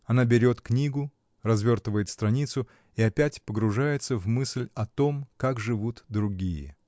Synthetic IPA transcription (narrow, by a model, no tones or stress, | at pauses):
ɐnabʲɪɾʲo̞t̪knʲiɡʊ | rɐzvʲo̞rt̪əvəjɪt̪st̪ɾɐnʲit̪sʊ | ɪɐpʲætʲpəɡɾʊʐajɪt̪səvmɨsʲlʲɐt̪o̞mkakʐɨvut̪d̪ɾʊɡʲijə̰